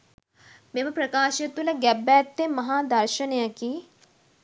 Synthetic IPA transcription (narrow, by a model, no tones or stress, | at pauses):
memɐpɾɐkaːʃjɐt̪ulɐɡɛbːæːt̪ːemɐɦaːd̪ɐɾʃɐnejɐki